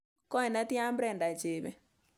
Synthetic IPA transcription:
kɔ˦ɛ˨na˦ti˦a˦mbɾɛ˨nda˨t͡ʃe˨βɛ̰˨

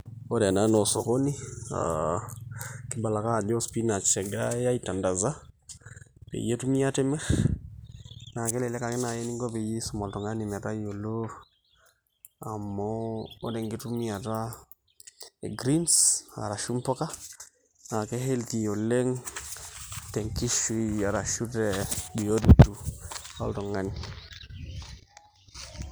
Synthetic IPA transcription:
o˦da˨na˦nɔ˨so˨ko˦ni˦a̰ | kɪ˦ba˨la˨ka˦˨d͡ʒɔ˦spi˦na˨t͡ʃɛ˨ɡa˦ja˦i˨ta˨nda˨za˦ | pḛ˨je˦tu˦mi˦a˦tɛ˦mɛ˦x | na˨kɛ˦lɛ˨lɛ˦ka˨kɛ˦na˨je˦ni˦ŋɡo˦pe˨je˦sɔ˨ma˨ltɔ˨ŋa˦ni˨m˨ta˦jo˨lo˦ | a˨mɔo˦de˨ŋɡe˦tu˦mi˦a˨ta˦ | ḛ˨ɡɾi˦nsa̰˨ɾa˨ʃu˦mpo˦ka˦ | na˨ke˦ɦe˦lti˨jo˨le˦ŋ | te˨ŋki˦ʃu˦ia˨ɾa˨ʃu˦tebi˨jo˦dutu˦o̰˦lto˨ŋa˦ni˨

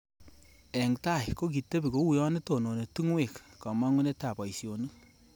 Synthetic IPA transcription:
ɛ˨ŋta˦˨jko˦k̬i˨te˦bi˨ko˨˦wu˨jɔ˦ni˦to˨no˨ne˨tu˦ŋwe˦˨kka˨ma˦ŋu˦ne˦ta˨pa˨isjo˨nu˦

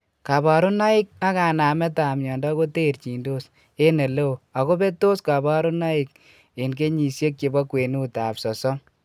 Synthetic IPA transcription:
ka˨ba˨ɾu˦na˦i˦k̚a˦ka˨na˨mɛ˦ta˨mjɔː˨ndɔ˦ko˦te˦˨rt͡ʃi˨ndo˦s | e˦ne˨le˦o˨a˨ko˦be˦to˦ska˨ba˦ɾu˦na˦i˦k̚ | e˨nke˦ɲi˨sje˦kke˨bɔ˦kwe˨nu˦ta˨psɔ˨sɔ˦ŋ

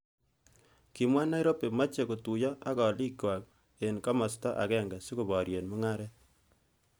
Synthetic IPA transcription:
ki˨mwa˦na˦i˦ɾo˦pe˨ma˦t͡ʃe˨ko˨tu˨jɔ˦ʔa˦kɔ˨li˦ka˨k̚ | e˨nka˦mɔ˨stɔ˦ʔa̰˨kɛ˦˨ŋɡa˨si˦ko˨bɔ˨ɾje˨nmu˦ŋa˦ɾɛ˦t̚

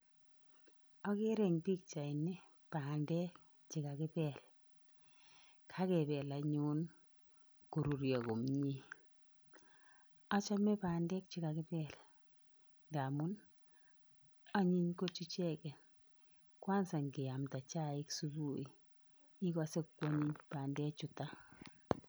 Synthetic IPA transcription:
ɔ˦ke˦ɾɛ˨ŋpi˦k̚t͡ʃa˨i˨nɛ˦ | pa˨ndɛ˦k | t͡ʃi˨ka˨kɪ˦pɛ˨l | kʰa˦kɛ˨pɛ˨la˨ɲu˦n | ku˨ɾu˨ɾjɔ˨ko˨mɲi˦ | a˦t͡ʃa˦mɛ˦paː˨ndɛ˦k̚t͡ʃi˨ka˨kɪ˦pɛl | nda˨mʊ˦n | a˦ɲi˦ɲko˦t͡ʃi˦t͡ʃɛ˦kɛ˨n | kwa˦nsa˨ŋɡɪ˨a˨mta˨t͡ʃa˦ɪ˦ksu˦bu˦i˨ | i˦ka˦se˦kkːwa˦ɲi˦ɲpaː˨ndɛ˦t͡ʃu˨ta˦

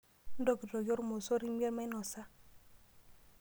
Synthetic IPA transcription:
n̩˦do˦˨ki˨tɔ˨jɔ˦ɾmo˨so˦ɾi˦m˦ɛ˦ɾma˦nɔ˨sa˦

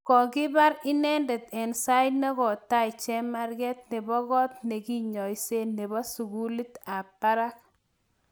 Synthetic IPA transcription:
kɔ˨ɡɪ˦ba˦ɾɪ˦nɛ˦ndɛ˨t̪ɛ˨nsa˦ɪ˦dnɛ˦ɡɔ˨tːa˦ɪ˨t͡ʃɛ˦ma˦ɾɡɛ˦t̪ne˨bɔ˦ɡɔ˦t̪ne˨ɡi˦ɲɔ˨i˨se˦ne˨bɔ˦su˨ɡu˦li˦t̪a˨pa˦ɾa˦k̚

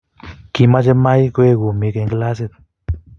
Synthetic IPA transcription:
ki˧ma˦d͡ʒe˦ma˦jkwe˦ɡu˨mi˧ke˧ŋɡla˦s̬e˦˧d̪̚

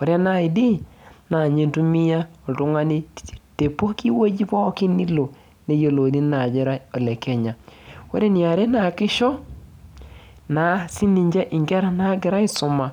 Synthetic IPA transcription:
wo˨ɾe˦na˦˨i˨di˦na˨ɲe˦ntu˦mi˦ja˦o˨tu˦ŋa˦ni˦˨te˨po˦ki˦wo˦d͡ʒi˦pɔ˦kɪ˦ni˦lo˨ | ne˦jo˨lo˨ni˦na˨d͡ʒe˦ɾa˦o˨lɛ˨ke˦ɲa˨wo̰˦ɾe˦ni˨a˨ɾe˦na˨kɪ˦ʃɔ˦ | na˨˦si˦ni˨ɲd͡ʒe˦ʔɪ˨ŋɡɛ˦ɾa˨na˦ɡɪ˨ɾa˦ɪ˦sʊ˨ma˨

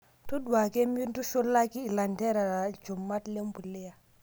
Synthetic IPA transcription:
tu˦ɗu˨wa˨ke˦mi˦n˦tu˦ʃo˦lːa˦kiː˦˨la˨nde˦ɾa˨ɾa˨d͡ʒo˨mːa˦tle˦mbu˨lːe˦ja˨

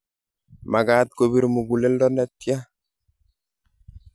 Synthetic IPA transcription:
ma˨ɡat̪̚ko˨bi˦ɾmu˨ɡu˨le˦ldɔ˦nɛ˦t̪̚ːja˦

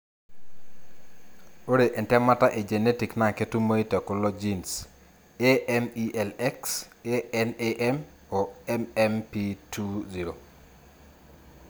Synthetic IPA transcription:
o˦ɾe˨ʔɛ˨ntɛ˦ma˦ta˦ʔe˨d͡ʒe˨ne˦ti˨kna˨ke˦tu˦mo˦i˦tɛ˨ko˨lɔ˦d͡ʒi˦ns | e˦ʔɛmi˦ʔɛ˨lɛ˦kseɛ˦neʔɛ˦m | ɔ˨ɛmɛ˦mpi˦tʰu˦zi˨ɾo˨

